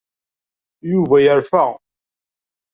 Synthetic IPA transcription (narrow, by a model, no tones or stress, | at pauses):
juvæjəɾfæ